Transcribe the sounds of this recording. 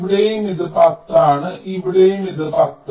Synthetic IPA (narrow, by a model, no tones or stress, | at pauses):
ʋiɽejumiðɨpaːt̪ːaːɳɨʔiʋiɽejumiðɨpat̪ːɨ